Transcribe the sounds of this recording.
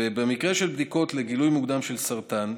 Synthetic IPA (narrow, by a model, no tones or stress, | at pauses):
ebemikʁeʃelbd̪iko̞t̪leɡilujmuɡd̪amʃe̞lsaʁt̪an